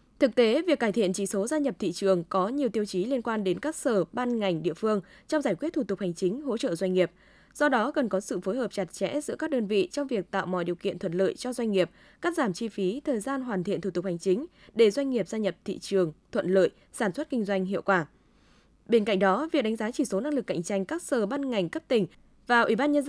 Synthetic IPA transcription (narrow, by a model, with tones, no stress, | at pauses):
t̪ʰɨ˨˩k̚t̪e˨˦vi˨˩əkːaː˧˩jt̪ʰḭ˧˨ənt͡ɕi˨˩so˨˦zaː˧ɲə˨˩p̚t̪ʰḭ˧˨t͡ɕɨ˨˩əŋkɔ˨˦ɲi˨˩əwt̪i˧əwt͡ɕi˨˦li˧ənkwaː˧nɗe˨˦nkaː˦˥k̚səː˧˩ɓaː˧nŋa˨˩jŋ̟ɗḭ˧˨əfɨ˧əŋt͡ɕɔ˧wŋ͡mzaː˧˩jkwt̚t̪ʰu˧˩t̪ʊ˨˩k̚ha˨˩jŋ̟t͡ɕï˨˦ŋ̟ɦo̰˧˥t͡ɕə̰ː˧˨zwa˧jŋ̟ŋi˨˩əp̚ | z̥ɔ˧ɗɔ˨˦kə˨˩nkɔ˨˦sɨ̰˧˨fo˨˦jɦəː˨˩p̚t͡ɕa˨˩t̚t͡ɕɛ̰˧˥zɨ̰˧˥ka˦˥k̚ɗəː˧nvḭ˧˨t͡ɕɔ˧wŋ͡mvi˨˩ək̚t̪a̰ː˧˨wmɔ̰˧˨jɗi˨˩əwkḭ˧˨ənt̪ʰwə˧˨nlə̰ː˧˨jt͡ɕɔ˧zwa˧jŋ̟ŋi˨˩əp̚ | kaː˦˥k̚zaː˧˩mt͡ɕi˧fi˨˦t̪ʰəː˨˩jzaː˧nɦwaː˨˩nt̪ʰḭ˧˨ət̪u˧˩t̪ʊ˨˩ha˨˩jŋ̟t͡ɕï˨˦ŋ̟ | ɗe˧˩zwa˧jŋ̟ŋi˨˩əp̚zaː˧ɲə˨˩p̚t̪ʰḭ˧˨t͡ɕɨ˨˩əŋt̪ʰwə̰˧˨nlə̰ː˧˨j | saː˧˩nswə˦˥t̚kï˧ŋ̟zwa˧jŋ̟ɦḭ˧˨əwkwaː˧˩ | ɓe˧nka̰˧˨jŋ̟̚ɗɔ˨˦vi˨˩ɗa˨˦ŋzaː˨˦t͡ɕi˧˩so˨˦na˧ŋlɨ˨˩kːa̰˧˨jŋ̟t͡ɕa˧jŋ̟kaː˦˥k̚səː˨˩ɓaː˧nŋa˨˩jŋ̟kə˦˥p̚t̪ï˨˩ŋ̟ | vaː˨˩ʔi˧˩ɓaː˧nɲə˧nz